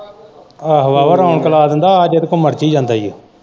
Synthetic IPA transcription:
aɦʋaːʋəɾaːɳkəlaːd̪ənd̪aːaːd͡ʒed̪kõməɾt͡ʃiːd͡ʒãːnd̪aːjo

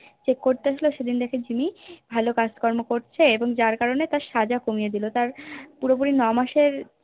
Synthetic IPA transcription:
t͡ɕekːoɾt̪eaʃloʃed̪ind̪ɛkʰed͡ʑimibʱalokad͡ʑkɔɾmokoɾt͡ɕʰeeboŋd͡ʑaɾkaɾonet̪aɾʃad͡ʑakomijed̪ilot̪aɾpuɾopuɾinɔmaʃeɾ

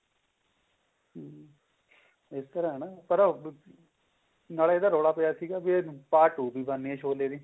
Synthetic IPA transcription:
ɪst̪əɾãːɦɛːnaːpəɾ | naːlaeːd̪aːɾoːɽaːpəjaːsiːɡaːbipaːʈuːbiːbənːiɛ̃ʃʰoːleːɾiː

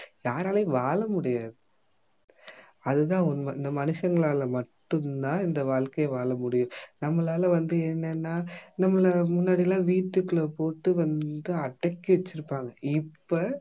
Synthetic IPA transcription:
jaːɾaːleːʋaːlɐmʊɽɪjaːðɯ | ɐðɯðãːɔnɪnd̪ɐmɐnɯʂɐŋɡɐɭaːlɐmɐʈːɯnd̪ãːɪnd̪ɐʋaːɭkɐjɐʋaːlɐmʊɽɪjʊ̃nɐmːɐɭaːlɐʋɐnd̪ɯɛnːɛnːaːnɐmːɐlɐmʊnːaːɽɪjlãːʋiːʈːɯkːɯɭepoːʈːɯʋɐnd̪ɯɐʈːɐkːiʋɛt͡ʃːɪɾɯpːaːŋɡɐɪpːɐ

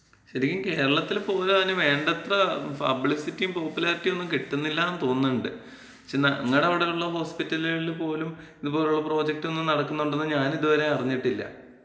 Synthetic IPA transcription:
ɕɐɾikʲːɐmke̞ːɾɐɭɐt̪ːilpo̞ːleanːuʋe̞ːɳɖɐt̪rɐpɐ̰bɭisitːijumpo̞ːpːulaːritːijo̞nːumkeʈːunːilːɐnt̪o̞ːnːuɳɖɨ | ɕenɐŋːɐɽeɐʋiɽeuɭːɐɦo̞ːspitːɐlilpo̞ːlum | iðupo̞ːluɭːɐpro̞ːd͡ʑek̚ʈːɨo̞nːɨmnɐɽɐkːunːuɳɖenːɨɲaːniðuʋɐɾe̞ɐriɲːiʈːilːɐ̰

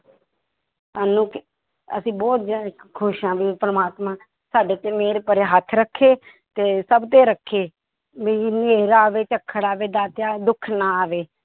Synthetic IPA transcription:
saːnũːk | ə̰sĩːbɔːt̪zaːdkʰʊʃãːʋiːpəɾmaːt̪mãː | saːɖeːt̪eːmeːɾeːpəɾeːɦət̪ʰɾəkʰːeː | t̪eːsəbt̪eːɾəkʰːeː | meːiːneːɾaːʋeːt͡ʃəkʰːəɽaːʋeːd̪aːt̪jaːd̪ʊkʰnaːaːʋeː

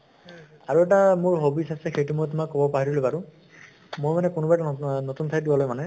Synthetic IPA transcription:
aɹuɛtamʊɹɦobisʰasɛxejtumojt̬ʊmakːɔbɔpaɦiɾilojbaɹu | mojmanɛkunubajtunotuntʰaj̚dibɔlojmanɛ

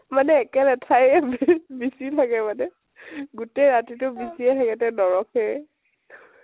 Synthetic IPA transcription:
manɛːkɛnɛtʰajbbisitʰakɛmanɛ | ɡutejɹatitʊbisiɛtʰakɛtɛnɔɹɔkɛ

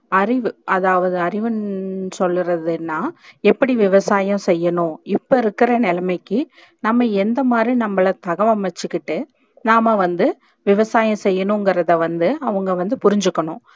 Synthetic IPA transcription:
ɐɾɪʋɯɐðaːʋɐðɯɐɾɪʋɯnsɔlːɯɾɐðɯnːaːɛpːɐɽiʋɪʋɐsaːjɐ̃sɛjːɐnʊ̃ɪpːoɪɾɯkːɪɾɐnɛlɐmɐɪkːɯ | nɐmːɐɛnd̪ɐmaːd̪ɾinɐmːɐɭɐt̪ɐɣɐʋɐmɐt͡ʃːɯkːɪʈːɯ | naːmɐʋɐnd̪ɯ | ʋɪʋɐsaːjɐ̃sɛjːɐnʊ̃ŋɡɪɾɐðɐʋɐnd̪ɯɐʋɐŋɡɐʋɐnd̪ɯpʊɾɪɲd͡ʒɯkːɐɳʊ̰̃

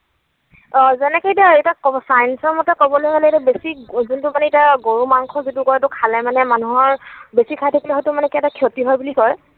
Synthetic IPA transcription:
ɔzɛnɛkejdaɛtakɔsajnsɔɹmɔtɛkɔbɔlojkalɛɛtɛbesizuntʊmanɛitaɡoɹumaŋkʰɔzitukɔjtʊkʰalɛmanɛmanuɦɔɹbesikʰajtʰakilɛɦɔjtʊmanɛkiɛtakʰiotiɦɔjbulikɔj

